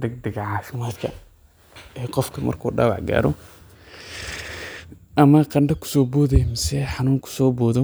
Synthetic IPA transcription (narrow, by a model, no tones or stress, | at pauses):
d̪ɐɡ̚d̪ɐɡɐʕɑːfɪmaːd̪kʰɐ | ɛːqɔfkʰɐmɐ̰rkʰṵːɖɑ̰ːwɑ̰ʕɡa̰ːɾɔ̰ | ʔɐmɐqɐɳɖɐkʰʊ̥sɔːbɔːðɛjmɪsɛħɑnuːŋkʰʊ̥sɔːbɔːðɔ